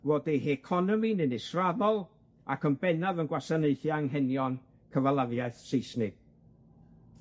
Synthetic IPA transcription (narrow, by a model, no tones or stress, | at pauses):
voːdɛɦɛkʰɔnɔminɪnɪsraðɔlˠ | akʰənbɛnaðənɡwasaneɨθjaŋɦɛnjɔn | kʰəvalˠavjaɨθsejsnɪɡ̥̚